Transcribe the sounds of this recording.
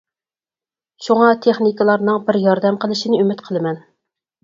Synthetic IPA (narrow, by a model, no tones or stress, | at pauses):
ʃuŋɑt̪ʰeχnikɨlˠɑɾnɨŋbɪɾjɑɾd̪ɛmqʰəlˠɪʃinɪymɪt̪qʰəlˠɨmɛn